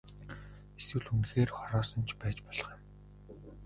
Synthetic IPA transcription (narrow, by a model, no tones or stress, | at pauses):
eswɘ̆ɮxunxeːrχɔɾɔːsɞ̆nt͡ɕʰpæːt͡ɕpɔɮ̆χĭm